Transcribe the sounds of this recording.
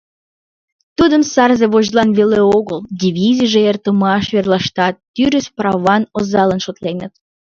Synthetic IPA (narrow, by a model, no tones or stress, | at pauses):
t̪ud̪əmsɑrzeβoʑlɑnβeleoɣəld̪ʲiβʲizijʒeert̪əmɑʃβerlɑʃt̪ɑt̪ːyɾəsprɑβɑnozɑlənʃot̪lenət̪̚